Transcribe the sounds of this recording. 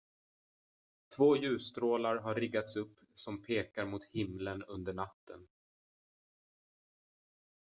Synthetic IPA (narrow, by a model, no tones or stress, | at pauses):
t̪ʰvoːjʉ̟ːst̪ɾoːlaɾɦaɾːɪɡːat̪sɵpːsɔmpʰeːkaɾmʊt̪hɪmlənɵnd̪əɳat̪ːə̰n